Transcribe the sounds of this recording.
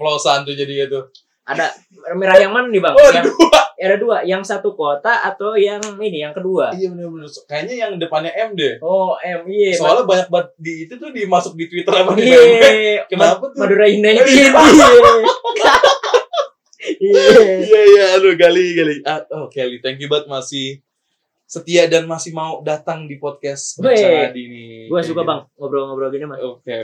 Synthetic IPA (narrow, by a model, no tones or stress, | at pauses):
pəlosant̪ud͡ʒadiat̪u | ʔa̰da | meɾajaŋmananibaŋaduaadaduajaŋsat̪ukot̪aʔat̪awjaŋinijaŋkəduaijabət̪ʊbət̪ʊlkajaɲajaŋdəpanɲaʔɛmdɛhoʔɛmijabaalabaɲak̚bat̪̚diːt̪ut̪ʊdimasʊk̚dit̪wit̪əramaiakənapat̪maduɾainaaia | iijaijaːdoɡaliɡaliaokelit̪aŋkibat̪̚masɪh | sət̪iadanmasɪhmaodat̪aŋdipɔt̪̚kɛsmaadinibukansukabaŋŋabəɾoŋabəɾaɡɲamaoke